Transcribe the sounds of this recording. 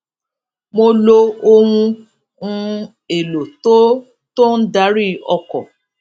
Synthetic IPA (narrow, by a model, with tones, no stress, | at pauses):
mo˧lo˦˧o˧wũ˧ | ũ˧ | e˨lo˨to˦ | to˦n̩˦da˨˦ɾi˦˨ɔ˧kɔ˨